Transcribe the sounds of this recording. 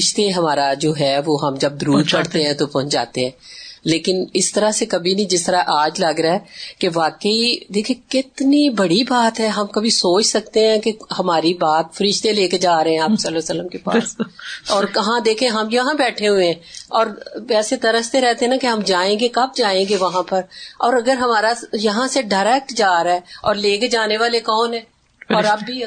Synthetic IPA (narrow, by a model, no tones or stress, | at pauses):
ɪʃt̪eɦɐmaːɾad͡ʒoːɦɛːʋoːɦɐmd͡ʒɐb̚d̪ʊɾuːd̪pɐɽt̪eɦɛ̃t̪opɐɦt͡ʃd͡ʒa̰ːt̪eɦɛ̃ːleːkɪnɪst̪əɾasekɐbʱinɐĩd͡ʒɪst̪əɾaʔaːd͡ʒlɐɡɾaɦɛːkeʋaːkəid̪eːkʰiekɪt̪nibɐɽibaːt̪ɦɛːɦɐmkɐbʱisoːt͡ʃsɐk̚t̪eɦɛ̃kehɐmaːɾibaːt̪fəɾɪʃt̪eleːked͡ʒaːɾɐɦẽɛ̃aːpsɐlosəlːəmkepa̰sɔːɾkɐɦãd̪eːkʰẽɦɐmjɐɦãbɛːʈʰeɦʊẽɦɛ̃ɔːɾɛːset̪ɐɾəst̪eɾɛɦt̪eɦɛ̃nakeɦɐmd͡ʒaːẽːɡekɐb̚d͡ʒaːẽːɡeʋɐɦãpɐɾɔːɾɐɡəɾɦɐmaːɾajɐɦãseɖaːɾɛːk̚ʈd͡ʒaːɾaɛːɔːɾleːked͡ʒaːneʋaːlekɔːnɦɛ̃ː | ɔːɾɐbːi